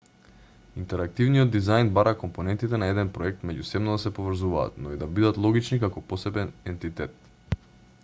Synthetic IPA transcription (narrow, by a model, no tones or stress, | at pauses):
int̪ɛɾak̚t̪ivnijɔd̪ːizajnbaɾakɔmpɔnɛnt̪it̪ɛnaɛd̪ɛnpɾɔɛk̚t̪mɛɟusɛbnɔd̪asɛpovr̩zuva̰ːt̪nɔid̪abid̪at̪lˠɔɡit͡ʃnikakɔpɔsɛbɛnɛnt̪it̪ɛt̪̚